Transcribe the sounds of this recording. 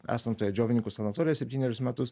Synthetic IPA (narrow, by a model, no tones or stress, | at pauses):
æ̰ːsɐnt̪oːjɛd͡ʒʲoːʋʲɪnʲɪŋkusɐnɐt̪ɔːɾʲɪjɛsʲɛpʲt̪ʲiːnʲɛɾʲɪsmʲæːt̪ʊs